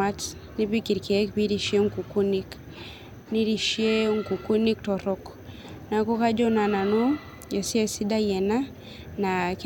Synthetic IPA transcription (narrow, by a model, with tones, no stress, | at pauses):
a˦t | ni˦bi˦ki˨ɾki˨ɛ˦kbi˦ɾi˨ʃi˦ɛ˦ŋku˨ku˦ni˦k | ni˦ɾi˨ʃi˦ɛ˦ŋ˨ku˨ku˦ni˦k̚tɔ˨ɾɔ˦k | na˨kɔ˦ka˦d͡ʒɔ˦na˨na˨nɔ˦ | ja˨si˦ɛ˦si˦da˦jɛ˨na˦ | na˨k